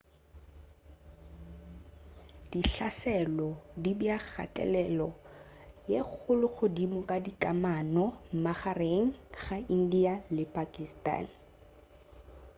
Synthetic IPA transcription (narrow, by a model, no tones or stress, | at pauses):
d̥iɬasɛlɔdibjak͡xʰa̰tʼɛ̰lɛlɔ | jek͡xʰʊlʊk͡xʰʊdimʊkʼadikʼamanɔm̩maχareŋ̩χain̩dialɪpʼakʼistʼa̰ːn